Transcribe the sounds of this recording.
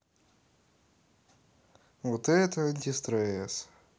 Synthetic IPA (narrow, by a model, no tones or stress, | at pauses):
vot̪ɛt̪əɐnʲtʲɪst̪ɾɛs